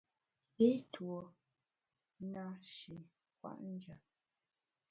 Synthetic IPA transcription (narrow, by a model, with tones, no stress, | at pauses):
e˦two˨˦ | na˦ʃi˨ | kwa̰˨ʔn̩˦d͡ʒa˨